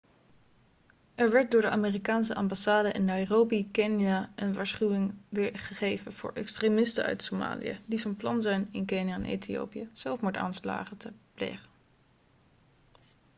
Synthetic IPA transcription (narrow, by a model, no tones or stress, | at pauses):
ʔɛɹʋɛɹt̚dʊːɹdəʔaːmeːrikaːnsəʔɑmbasaːdəʔɛnːɑjrowbikɛnjaənʋaːɹsχyʋɪŋʋɪɹχəχejvənv̥ʊ̰ːɹʔɛ̰kstremɪstə̰nœ̰ɥtsoma̰ːlḭjə̰dizənplɑnzɛjnɪnkenjaɛnʔḛjtʰio̰wpijəz̥ɛlˠfmuɹta̰ːnsla̰ːχətʰəplḛjχən